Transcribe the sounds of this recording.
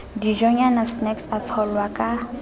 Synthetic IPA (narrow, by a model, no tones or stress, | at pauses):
diʒɔɲanasnɛksat͡sʰɔlwakʼa